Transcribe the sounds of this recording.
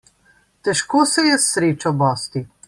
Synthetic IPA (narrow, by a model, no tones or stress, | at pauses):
t̪ɛʃkoːsɛjɛsɾeːt͡ʃɔbɔːst̪i